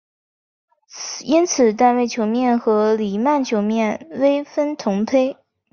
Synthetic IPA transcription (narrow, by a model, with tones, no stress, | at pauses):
i˥nt͡sʰɹ̩˨˩t̪̬a˥˧nwe˥˩ɪt͡ɕʰjo˧˥ʊmjɛ˥˩nxɤ˧˥li˨˩ma˥˩nt͡ɕʰjo˧˥ʊmjɛ˥˩nwe˥ɪfə˥nt̪ʰʊ˧˥ŋpʰe˥ɪ